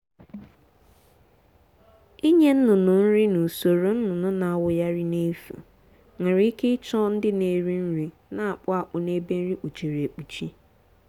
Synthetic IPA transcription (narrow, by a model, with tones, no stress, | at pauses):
i˦ɲe˦n̩˦nʊ˨nʊ˨n̩˦ɾɪ˦nu˨so˨ɾo˨n̩˦nʊ˨nʊ˦na˨a˨wʊ˨ja˦ɾɪ˦ne˦fṵ˨ | ŋa˨ɾi˦i˦ke˦ɪ˦t͡ʃɔ˦n̩˦dɪ˦ne˨ɾi˦n̩˦ɾi˦ | na˨a˨k͡pʊ˦a˨k͡pʊ˨ne˦be˦n̩˦ɾi˦k͡pu˨t͡ʃe˨ɾe˨k͡pu˨t͡ʃi˦